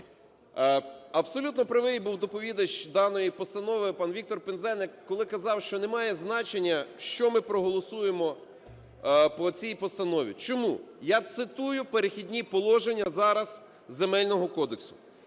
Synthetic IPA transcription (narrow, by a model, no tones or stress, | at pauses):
ɐbsɔlʲut̪nɔpɾɪʋɪbuwd̪ɔpɔʋʲid̪ɐʃt͡ʃd̪ɑnɔjipɔst̪ɐnɔʋɪpɑnʋʲik̚t̪ɔrpenzɛnɪkːɔlˠɪkɐzɑwʃt͡ʃɔnemɑjɛznɑt͡ʃenʲːɐʃt͡ʃɔmɪpɾɔɦɔlˠɔsujemɔ | pɔt͡sʲijpɔst̪ɐnɔʋʲḭt͡ʃɔmṵjɑt̪sɪt̪ujʊpeɾexʲidʲnʲipɔlˠɔʒenʲːɐzɑɾɐz | zemɛlʲnɔɦɔkɔd̪eksʊ̥